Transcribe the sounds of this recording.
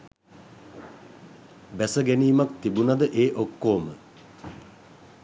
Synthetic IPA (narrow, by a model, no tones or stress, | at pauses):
bæsəɡæniːmak̚t̪ibunad̪əʔeːʔokːoːmə